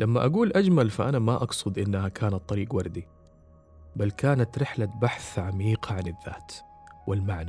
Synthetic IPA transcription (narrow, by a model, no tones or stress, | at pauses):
lamːaʔaɡuːlʔad͡ʒmalfaʔanamaʔɑɡsˤʊd̪ʔɪnːahakʰaːnɑt̪ˤːɑɾiːqwɑɾˤd̪i | balkaːnat̪ɾɪħlabaħθʕamiːqɑʕanɪðːa̰ːt̪ | wʔɪlmaʕna